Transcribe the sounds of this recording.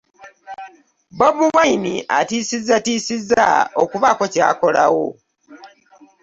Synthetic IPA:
boβuwainḭʔatiːsizatiːsiza̰okuβako̞ca̰ːko̞lawo

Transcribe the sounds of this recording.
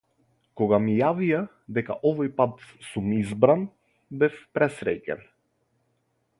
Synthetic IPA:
kɔɡamijavija | d̪ɛka̰ʔɔvɔjpat̪sumizbɾan | bɛfpɾɛsɾɛcɛ̰n

